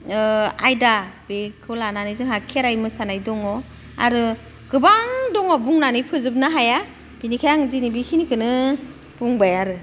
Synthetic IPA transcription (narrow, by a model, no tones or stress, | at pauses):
ajdab̥ekʰɯlananizɯŋhakʰiaɾajmɯsanajdɔŋɔ | a̰ɾɯ | ɡ̥ɯbaŋdɔŋɔbuŋnanipʰɯzɯb̚naɦaja | b̥inikʰajaŋzinibikʰinikʰɯnɯ | b̥uŋbajaɾɯ